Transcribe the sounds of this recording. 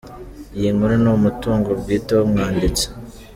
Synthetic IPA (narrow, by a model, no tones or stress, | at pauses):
jiːŋuɾenomutuːŋɡo̞ɾɡiːtewomŋaːndit͡se̥